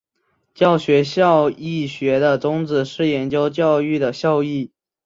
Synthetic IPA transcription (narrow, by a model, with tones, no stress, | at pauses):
t͡ɕjɑ˥˩ʊɕɥɛ˧˥ɕjɑ˥˧ʊi˥˩ɕɥɛ˧˥d̪ə˧t͡sʊ˥ŋt͡sɹ̩˨˩ʂɻ̩˥˩jɛ˧˥nt͡ɕjo˥ʊt͡ɕjɑ˥˧ʊy˥˩d̪ə˩ɕjɑ˥˧ʊi˥˩